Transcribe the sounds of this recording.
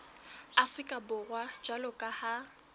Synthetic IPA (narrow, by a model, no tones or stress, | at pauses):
afrikʼabʊrwad͡ʒwalʊkʼaha